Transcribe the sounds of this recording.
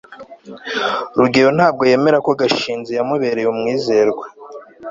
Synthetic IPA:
ɾuɡiɾon̥haːb̚ɡo̞je̞ːme̞ɾako̞ɡaʃiːnzijamuβeɾejumŋiːzeɾɡwa

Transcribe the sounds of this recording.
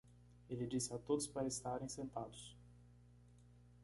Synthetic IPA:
elɪd͡ʒisɪat̪od̪ʊspaɾɐest̪aɾẽj̃sẽnt̪ad̪ʊs

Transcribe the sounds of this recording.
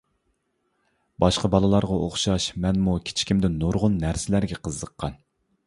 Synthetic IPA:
bɑʃqɑbɑlˠɨlˠɑɾʁɑʔoχʃɑʃmɛnmukʲʰɪ̥t͡ʃʰi̥kʲʰimd̪ɪnnːoɾʁʊnːæɾsɪlæɾɡʲɛqʰəzːəqʰːɑn

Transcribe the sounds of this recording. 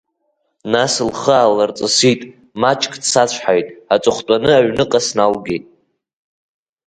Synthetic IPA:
nasɨlχəalart͡sʼɨsitʼ | mat͡ʃʼkʼdsat͡ɕʷʰħajtʼat͡sʷʼʊχtʷʼanɨaɥnɨqʼasnalɡʲejtʼ

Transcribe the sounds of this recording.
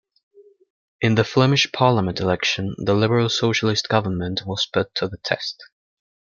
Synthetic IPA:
ɪ̃nðəflɛmɪʃpʰɑːləmə̃ntʰɪlɛkʃə̃nðəlɪbəɹəlˠsoʊʃəlɪstɡ̥ʌvənmə̃nʔwɒz̥pʊtʰəðətʰɛ̰st

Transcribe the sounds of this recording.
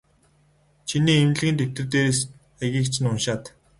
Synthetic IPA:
t͡ɕʰiniːemɮɣʲiːnt̪ew̥t̪ɘ̆rt̪eːɾeːs | æɣʲiːkt͡ɕʰɪ̆nʊnʃaːt̪

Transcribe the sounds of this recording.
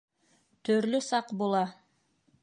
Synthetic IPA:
t̪øɾlysɑqbolˠɑ

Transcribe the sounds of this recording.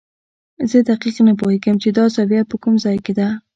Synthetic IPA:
zəd̪aqiqnap̬oheɡəmt͡ʃed̪ɑzawijat̪̚pəkumzɑjked̪a

